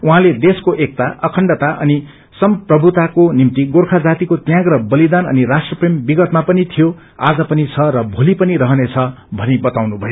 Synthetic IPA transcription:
uɦãled̪eskoʔek̚t̪aʌkʰʌɳɖʌt̪aʔʌni | sʌmprʌbʱut̪akonimt̪iɡorkʰad͡zat̪ikot̪jãɡrʌbʌlid̪anʌ̰nirasʈrʌprembiɡʌt̪mapʌnit̪ʰijo | ad͡zʌpʌnit͡sʰʌɾʌbʱolipʌniɾʌɦʌnet͡sʰʌbʱʌnibʌt̪awnubʱʌjo

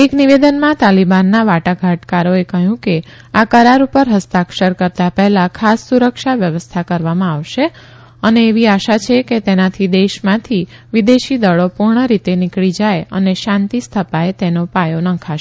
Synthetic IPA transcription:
ekniʋed̪ənmãt̪alibanːaʋaʈaɡʱaʈkaɾoekəɦjũke | akəɾaɾupəɾɦəst̪akʃəɾkəɾt̪apɛɦlakʰasːuɾəkʃaʋjəʋəst̪ʰakəɾʋamãaʋʃe | əneːʋiaʃat͡ʃʰeket̪enat̪ʰid̪eʃmãt̪ʰiʋid̪eʃid̪əɭopuɾɳəɾit̪enɪkɭid͡ʒajə̰neʃãnt̪ist̪ʰəpaet̪enopajonə̃kʰaʃe

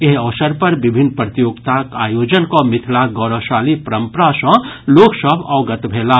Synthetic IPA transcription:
jeɦɔʋsəɾpɐɾbɪbʱɪnpɾət̪joːɡt̪akaːjoːd͡ʒənkomɪt̪ʰlaɡɔːɾəʃaːlipɐɾə̃mpɾasə̃loːksəbɔːɡət̪bʱeːla

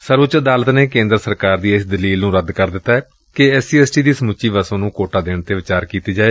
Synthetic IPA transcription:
səɾʋʊt͡ʃəd̪aːlət̪neːkẽːnd̪ɾəsəɾkaːɾd̪iːɪsd̪əliːlnũːɾəd̪kəɾd̪ɪt̪ːaːɛː | keɛːsiːɛːsʈiːd̪iːsəmʊt͡ʃʃiːʋəsõːnũːkoːʈaːd̪eːɳt̪eːʋɪt͡ʃaːɾkiːt̪eːd͡ʒaːeː

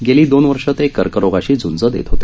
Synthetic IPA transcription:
ɡeliːd̪onʋəɾʂət̪ekːəɾkəɾoɡaɕiːd͡zund͡zəd̪ḛt̪ɦot̪e

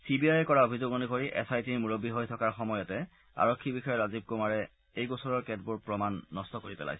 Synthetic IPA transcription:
sibiajɛkɔɹaobʱizoɡonikoɹiʔɛ̰sajtiɹmuɹobːiɦojtʰɔkaɹxɔmɔjɔtɛ | a̰ɹɔkʰːibixɔjɔɹazib̚kumaɹɛ | ejɡosɔɹɔɹkɛtbʊɹpɹɔmanːɔstɔkoɹipɛ̰la̰jsɛ

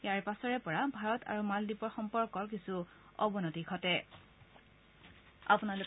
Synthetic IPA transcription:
jaɹpasɔɹɛpɔɹabʱaɹɔtʰa̰ɹumaldipɔɹxɔmpɔɹkɔɹk̬isu | ɔ̰bɔnɔtikʰɔtɛ | a̰punalʊ

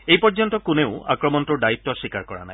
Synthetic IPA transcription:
ejpɔɹd͡ʒɔnt̪ɔkunewa̰kɹɔmɔnt̪uɹɖaip̚tɔsikaɹkɔɹa̰naj

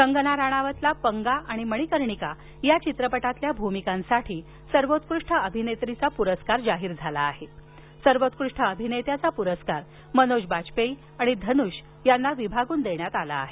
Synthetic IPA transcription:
kəŋɡənaɾaɽ̃aʋət̪lapəŋɡaaɽ̃iməɽ̃ikəɾɳika | jat͡ɕit̪ɾəpəʈat̪ljabʱumikãnsaʈʰiː | səɾʋot̪̚kɾuʂʈʰəəbʱinet̪ɾit͡sapuɾəskaɾd͡zaɦiːɾd͡zʱalaːɦe | səɾʋot̪kɾuʂʈʰəəbʱinet̪jat͡sapuɾəskaɾ | mənoɕbat͡ɕpei | aɽ̃id̪ʱənuɕ | janːaʋibʱaɡuːnd̪eɳjat̪ala̰ːɦe

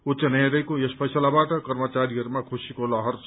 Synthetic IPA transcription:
utt͡sʌnajɾʌjkojespʰʌjsʌlabaʈʌkʌrmʌt͡saɾiɦʌɾumakʰusikolʌɦʌrt͡sʰ

